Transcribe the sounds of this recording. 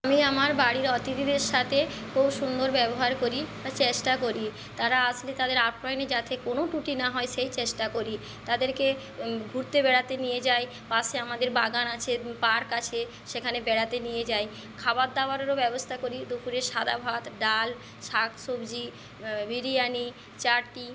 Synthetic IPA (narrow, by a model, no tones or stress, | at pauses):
amiamaɾbaɽiɾɔt̪id̪id̪eɾʃat̪ʰekʰubʃund̪oɾbɛboɦaɾkoɾibat͡ɕeʃʈakoɾi | t̪aɾaaslit̪ad̪eɾaɾpɾɔjened͡ʑat̪ʰekonoʈuʈinaɦɔeʃejt͡ɕeʃʈakoɾi | t̪ad̪eɾke | bʱuɾt̪ebɛɽat̪enijed͡ʑaj | paseamad̪eɾbaɡanat͡ɕʰepaɾkat͡ɕʰe | ʃekʰanebɛɽat̪enijed͡ʑaj | kʰabad̪ːabaɾeɾobɛbost̪ʰakoɾid̪upuɾeʃad̪ʱa̰bʱat̪ɖal | ʃaksobd͡ʑi | biɾijani | t͡ɕaɾʈi